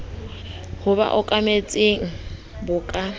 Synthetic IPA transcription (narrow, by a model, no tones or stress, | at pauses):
hʊba̰ʔʊkʼamet͡sʼeŋ̩ | bʊːkʼa